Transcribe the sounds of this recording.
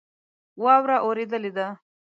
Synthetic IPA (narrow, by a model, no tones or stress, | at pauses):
wɑwɾaʔoɾed̪əled̪a